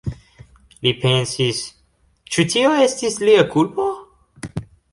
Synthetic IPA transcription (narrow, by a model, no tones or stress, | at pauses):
lipʰɛ̃nsis | t͡ʃutʰioɛst̪isliəkʰulbo